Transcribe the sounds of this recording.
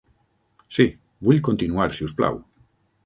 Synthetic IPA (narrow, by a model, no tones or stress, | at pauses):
si | buʎkont̪inuaɾsiuspla̰w